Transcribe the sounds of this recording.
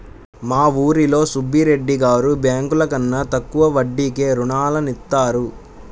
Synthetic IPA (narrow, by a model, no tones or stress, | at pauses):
maːʋuːɾilo̞ːsubʱːiɾe̞ɖːiɡaːɾubjaːŋkulɐkɐnːɐt̪ɐkːuʋɐʋɐɖːiːke̞ːɾuɳaːlɐnit̪ːaːɾu